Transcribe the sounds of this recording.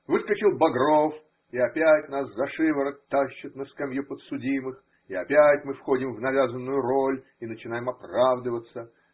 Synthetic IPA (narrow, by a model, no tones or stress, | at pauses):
vɨskət͡ɕɪlˠbɐɡɾof | iɐpʲætʲnaszɐʂɨvəɾəkt̪ːaɕːɪt̪nəskɐmjupət̪sʊdʲimɨx | ɪɐpʲætʲmɨfxo̞dʲɪmvnɐvʲazənːʊjʊɾolʲ | inət͡ɕɪnajɪmɐpravd̪əvət̪sə